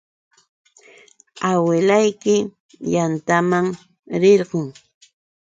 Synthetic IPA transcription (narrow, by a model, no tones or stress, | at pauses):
awɪlajkɪ | jant̪amaŋ | ɾeɾɢoŋ